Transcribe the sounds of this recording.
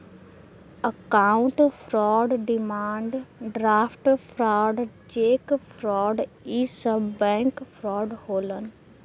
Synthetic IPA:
əkaːʊ̃ɳʈpʰɾɔːɖɖɪmaːɳɖɖɾaːpʰʈpʰɾaːɖ | d͡ʒeːkpʰɾɔːɖiːsəbbɛ̃ːŋkpʰɾɔːɖhoːlən

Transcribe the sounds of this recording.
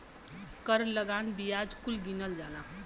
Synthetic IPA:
kəɾləɡanbijad͡ʒkulɡinəld͡ʒalã

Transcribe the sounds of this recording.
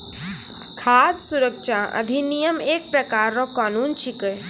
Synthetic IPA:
kʰaːd̪suɾəkt͡ʃʰaə̰d̪ʱinijəmeːk̚pɾəkaːɾːɔkanunt͡ʃʰikəj

